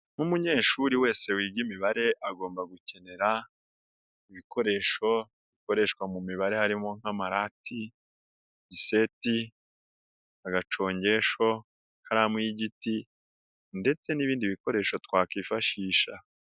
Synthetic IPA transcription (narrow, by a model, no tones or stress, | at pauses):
numuɲe̞ːʃuɾiwe̞ːse̞wiːbɡimiβaɾe̞ʔaɡo̞ːmbaɡuce̞ne̞ɾa | iβikʰo̞ɾe̞ʃo̞ | βiko̞ɾe̞ʃkwamumiβaɾe̞haɾimo̞ŋ̥hamaɾatʰi | ɟise̞ti | aɡat͡ʃo̞ːɲɟe̞ʃo̞ | kaɾamwiɟiti | nde̞t͡se̞niβiːndiβiko̞ɾe̞ʃo̞twaːkiːfaʃiːʃa